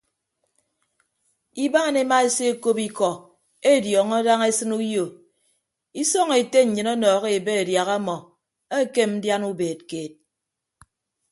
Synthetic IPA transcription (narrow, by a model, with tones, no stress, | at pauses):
i˦ba˦˨ne˦ma˦e˦se˦e˦ko˦pi˦kɔ˨ | e˦˨djɔ˨ŋɔ˦da˦ŋe˦sɨ˦nu˦jo˨ | i˦sɔ˦ŋe˨te˦ɲ̩˨ɲɨ˨nɔ˦nɔː˨ɣe˨e˨be˦e˨dja˨ɣa˦mɔ˨ | e˦˨ke˦m̩˦dja˦nu˦beː˨t̚keː˨t̚